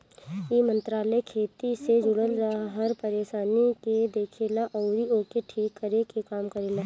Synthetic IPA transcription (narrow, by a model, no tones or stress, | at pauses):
imə̃nt̪ɾaːlɛkʰeːt̪ised͡ʒʊɽəlɾaaɦɐɾpɐɾeːʃaːniked̪eːkʰeːlaʔɔːɾioːkeʈʰiːkʰːəɾekekaːmkɐɾeːlaː